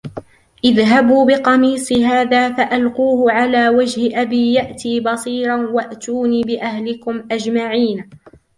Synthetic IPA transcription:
ʔɪðɦabuːbɪqɑmiːsˤɨɦaːðaːfaʔalquːhʊʕalaːwad͡ʒhɪʔabiːjaʔt̪iːbɑsˤiːɾˤɑnwaʔt̪uːniːbɪʔahlɪkʊmʔad͡ʒmaʕiːn

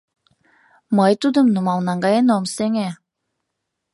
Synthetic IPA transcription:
mɤjt̪ud̪əmnumɑlnɑŋɡɑjenomseŋe

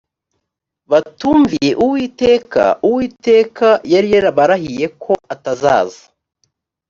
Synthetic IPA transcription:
βatuːɱvije̞ʔuwiːte̞ːka̰uwiːte̞ːkajaɾijeɾaβaɾahije̞kʰo̞ataza̰ːza

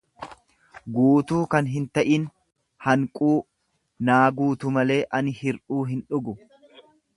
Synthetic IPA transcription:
ɡuːt̪uːkɐnɦɪnt̪ɐʔin | hɐŋkʼuː | naːɡuːt̪ʊmɐle̞ːʔɐnɪhɪɾʔuːɦɪnᶑʊɡʊ

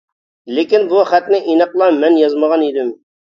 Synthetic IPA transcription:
lekʲinbuχæt̪nɪʔinəqlˠɑmɛnjɑzməʁɑnid̪ɪm

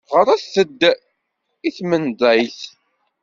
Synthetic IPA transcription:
ʁəɾˤæθθəd̪ː | iθmənd̪ˤæjθ

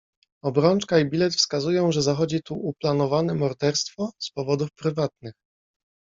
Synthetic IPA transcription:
ɔbɾɔnt͡ʂkaibʲilɛt̪fskazujɔ̃w̃ʐɛzaxɔd͡ʑit̪uːplanɔvanɛmɔɾd̪ɛɾst̪fɔspɔvɔd̪ufpɾɘvat̪nɘx

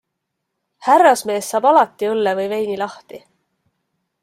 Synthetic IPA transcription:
hærːɑsme̞ːsːɑːbɑlɑt̪ːˑiɤlːevɤjve̞jnilɑht̪i

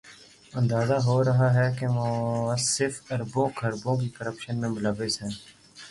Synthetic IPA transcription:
ə̃nd̪aːzaːɦoːɾəɦaːɦɛːkemõːsɪɾfəɾbõːkʰəɾbõːk̬iːkəɾəpʃənmẽːmʊləʋesɦɛ̃ː

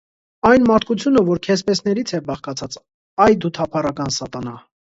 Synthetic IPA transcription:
ɑjnmɑɾt̪kut͡sʰjunəvɔɾkʰɛspɛsnɛɾit͡sʰɛbɑχkɑt͡sʰɑt͡s | ɑjd̪ut̪ʰɑpʰɑrɑkɑnsɑt̪ɑnɑ

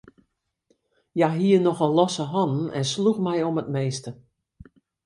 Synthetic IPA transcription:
jaɦiənɔxɔlɔsəɦɔnən̩ɛ̰nsluxmɛjɔmətmeːstə

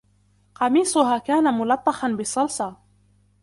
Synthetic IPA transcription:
qɑmiːsˤʊɦaːkaːnamʊlɑt̪ˤːɑxɑnbɪsˤːɑlsˤɑː

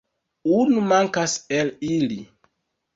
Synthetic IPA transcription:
unumaŋkaselili

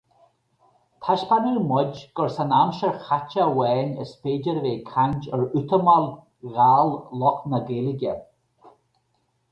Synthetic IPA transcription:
t̪ʰaʃpanəːmɔd͡ʒɡ̥ɔɹsanamʃəɹxat͡ʃawɛːnə̰speːd͡ʒəɾveːkʰand͡ʒəɹʉt̪əmal | ɣaːllɔknəɡeːlɪɡʲə

